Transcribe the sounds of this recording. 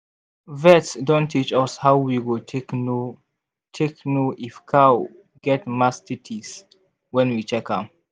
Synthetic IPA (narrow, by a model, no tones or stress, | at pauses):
vɛtsdõntʰːit͡ʃɔshawwiɡutʰk | tʰeknuʔifkʰa | ɡ̥ɛtmastitʰis | wɛ̃nwit͡ʃɛkã̰m